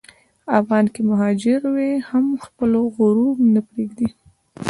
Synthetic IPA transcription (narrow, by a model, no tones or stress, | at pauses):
afɣɑnkemaɦɑd͡ʒɪɾwehamxpəloɣʊɾumnapɾeɡd̪i